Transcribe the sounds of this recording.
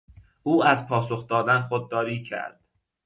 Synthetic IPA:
ʔuːæzpʰɒːsoxd̪ɒːd̪ænxod̪̚ːɒːɾiːcʰæ̰ɾd̪̥

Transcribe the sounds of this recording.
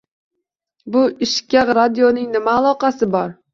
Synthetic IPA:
bʊɪʃkʲaqɾad̪ijonɪŋnɪmaːlˠɒqɑsɪbɒɾ

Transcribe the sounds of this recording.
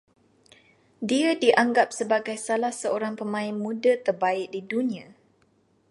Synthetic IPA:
diadiʔaŋɡap̚səbaɡajsalahsəoɾaŋpəmãɪnmũdat̪ərbaɪʔ̚didunĩã

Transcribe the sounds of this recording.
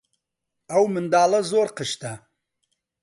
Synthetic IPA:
ɐwmɨnd̪aːlˠɐzoːɾqəʃt̪ɐ

